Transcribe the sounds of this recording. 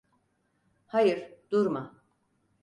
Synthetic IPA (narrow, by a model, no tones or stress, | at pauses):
hajɯɾd̪uɾma